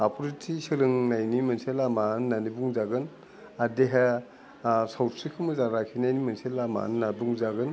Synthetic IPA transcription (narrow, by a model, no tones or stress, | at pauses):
apʰɔɾitʰisɯɾɯŋnajnimɐnselamanːanibuŋzaɡɯn | adeɦe | sawtsikʰɯmɯzaɾakʰinajnimɐnselama̰nːabuŋzaɡɯn